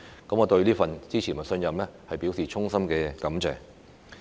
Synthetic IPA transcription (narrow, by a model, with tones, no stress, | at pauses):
kɐ˨˥mŋɔː˨˧t̪ɵ˧ɥliː˥fɐ˨nt͡siː˥t͡sʰiː˨˩nmɐ˨˩sɵ˧njɐ˨mlɛː˥hɐ˨jpiː˨˥wsiː˨˩t͡ʃʰʊ˥ŋsɐ˥mkɛː˧kɐ˨˥mt͡sɛː˨ŋ